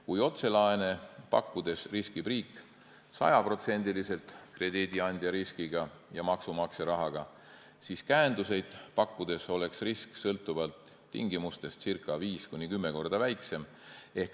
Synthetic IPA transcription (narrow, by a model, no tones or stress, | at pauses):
kujo̞t̪se̞lɑene̞pɑ̰kːud̪̥e̞sriskib̥riːkːˑ | sɑ̰jɑpro̞t̪se̞nʲd̪̥ilise̞lt̪kre̞d̪̥id̪iɑnʲd̪̥ʲjɑɾiskiɡ̥ɑjɑmɑksumɑkseɾɑɦɑɡ̥ɑ | siːskæend̪use̞jd̪̥pɑkːud̪̥e̞so̞le̞ksrisksɤlt̪ːˑuvɑlt̪ː | ḭŋɡimust̪e̞st̪sirkːˑɑviːskunʲːikymːe̞ko̞rd̪̥ɑvæjkse̞m | e̞hk